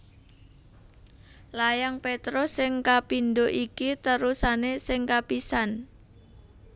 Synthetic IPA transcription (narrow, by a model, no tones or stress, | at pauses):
lajaŋpet̪ɾosɪŋkapinɖoʔikit̪əɾusanesɪŋkapisan